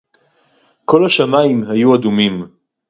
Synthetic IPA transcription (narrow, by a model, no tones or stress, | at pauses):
kʰolaʃamaimɦajuad̪umim